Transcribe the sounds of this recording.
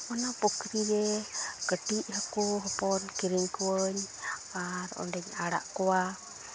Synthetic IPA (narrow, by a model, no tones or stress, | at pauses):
ɔnapukɾiɾɛkəʈiʔɦakuɦɔpɔnkiɾiɲkuwəɲaɾɔ̰nɖɛɲaɽa̰ʔkɔwa